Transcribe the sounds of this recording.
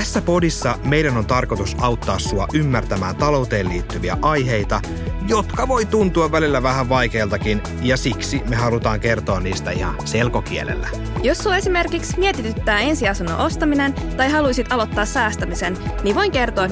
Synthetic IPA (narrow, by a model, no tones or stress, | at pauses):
tæsːæpo̞disːɑme̞jɾæno̞nt̪ɑrkot̪usɑwt̪ːɑːsːuɑʔymːært̪æmæːnt̪ɑlo̞wt̪e̞ːliːt̪ːyʋiæ̰ʔɑjɦe̞jt̪ɑ | jot̪kɑʋo̞jt̪unt̪uɑʋːælilːæʋæhæʋʋɑjke̞ːlt̪ɑkin | jɑsiksimeɦɑlut̪ɑːŋke̞rt̪o̞ːnniːst̪æihɑ̰nse̞lko̞k̟ielḛlːæ | josːuɑe̞sime̞rkiksmiet̪it̪yt̪ːæːe̞nsiɑsunːo̰ʔost̪ɑmine̞n | t̪ɑjɦɑlujsit̪ɑlot̪ːɑːssæːst̪æmise̞nniʋo̞jŋke̞rt̪oɑ